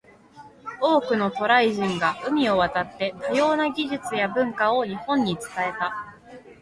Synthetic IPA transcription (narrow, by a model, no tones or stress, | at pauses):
o̞ːkɯ̟no̞t̪o̞ɾaiʑĩŋɡaʔɯ̟mʲio̞βat̪at̪ːe̞t̪ajo̞ːnaɡʲiʑit͡sɨjabɯ̟̃ŋkaoɲ̟ihõ̞ɲ̟ːit͡sɨ̥t̪ae̞t̪a